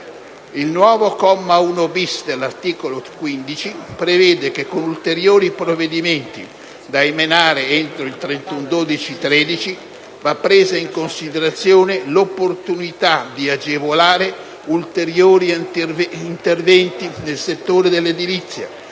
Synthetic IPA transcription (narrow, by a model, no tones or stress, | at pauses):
ilnwɔːvokɔmːaunobisd̪elːart̪iːkolokwind̪it͡ʃipɾevɛːd̪ekekːonult̪eɾjoːɾipɾovːed̪iment̪ḭ | d̪aemenaːɾeent̪ɾoilt̪ɾent̪und̪oːd̪it͡ʃit̪ɾɛːd̪it͡ʃi | vapːɾeːzaiŋkonsid̪eɾat̪sːjoːnelopːort̪unit̪ad̪iad͡ʒevolaːɾe | ult̪eɾjoːɾi | int̪ervɛnt̪inelset̪ːoːɾed̪elːed̪ilit̪sːja̰